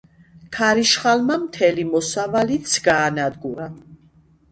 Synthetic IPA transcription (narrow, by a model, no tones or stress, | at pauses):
kʰaɾiʃχalmamt̪ʰɛlimɔsavalit̪sʰɡaːnad̪ɡuɾa